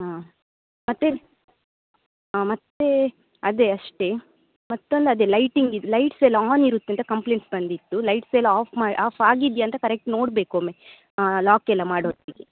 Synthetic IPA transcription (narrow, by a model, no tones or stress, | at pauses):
aː | mɐt̪ːe | aːmɐt̪ːe | ɐd̪eɐʂʈe | mɐt̪ːond̪ɐd̪eːlɐjʈiŋɡid̪ulɐjʈseːlaːniɾut̪ːint̪ɐkɐmpleːɳʈsbɐnd̪it̪ːulɐjʈselaːpʰmaːʔaːpʰaːɡid̪jɐnt̪ɐkɐɾek̚ʈnoːɽbeːkome | alaːkɛlːɐmaːɽoːt̪id̪i